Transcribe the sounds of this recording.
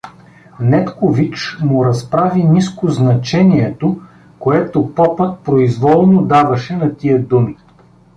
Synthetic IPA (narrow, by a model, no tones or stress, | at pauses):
nɛt̪kovit͡ʃmʊɾɐspɾaviniskoznɐt͡ʃɛniɛt̪o | koɛt̪opɔpət̪̚pɾoizvɔlˠnod̪avɐʃɛnɐt̪iəd̪umi